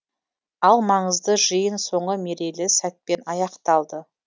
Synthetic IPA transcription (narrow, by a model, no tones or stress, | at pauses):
ɑlˠmɑɴəzd̪əʒəjənso̞ɴʁəme̞ɾe̞lɪsæt̪̚pe̞nɑjɑqt̪ɑlˠd̪ə